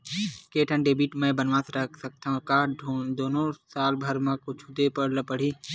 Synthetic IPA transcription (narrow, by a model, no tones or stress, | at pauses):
keːʈʰə̃nɖeːbiːʈmɛ̃ːbənʋãːsɾəkʰsək̚t̪aːɦãkaːd̪oːnõsaːlbʱəɾmə̃kʊt͡ʃʰʊd̪epəɽləpəɽ̤iː